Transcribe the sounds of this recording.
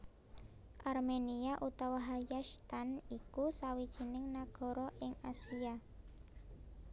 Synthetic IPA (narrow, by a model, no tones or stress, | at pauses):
ʔarmeniaʔut̪awaɦajaʃt̪anikusawid̥ʒ̥i̤nɪŋnaɡ̥ɔ̤ɾɔʔɪŋasia